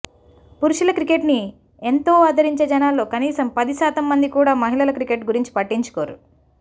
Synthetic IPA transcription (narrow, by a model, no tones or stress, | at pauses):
puɾuʂulɐkɾike̞ʈni | ent̪o̞ːaːd̪ɐɾiɲt͡ʃe̞ːd͡ʒɐnaːlːo̞ːkɐniːsɐmpɐd̪isaːt̪ɐmːɐnd̪ikuːɽaːmɐɦilɐlɐkɾikeʈɡuɾiɲt͡ʃi̥pɐʈːiɲt͡ʃu̥koːɾu